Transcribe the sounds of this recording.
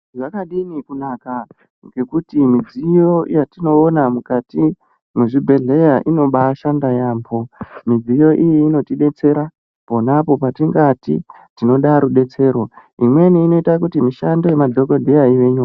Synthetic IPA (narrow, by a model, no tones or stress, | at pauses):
ʐakaɗinikunaka | ŋɡe̞kutimid͡zijo̞jatino̞ːnamukati | muʐibʱe̞ɮe̞jaʔino̞ɓaʃandajaːmbo̞mid͡zijo̞ʔijiːno̞tiɗe̞t͡se̞ɾa | po̞napo̞patiŋɡatḭ | tino̞ɗaɾuɗe̞t͡se̞ːrwoimwe̞niːno̞itakutimiʃando̞jemadʱo̞ko̞dʱejaiʋe̞ɲuːka